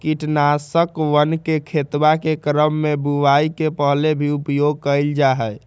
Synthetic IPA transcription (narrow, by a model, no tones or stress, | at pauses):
kiʈnasəkʋənkekʰet̪bakekɾəmːebuʋaikepəɦlebʱiupjoɡ̚kəjld͡ʒaɦɛj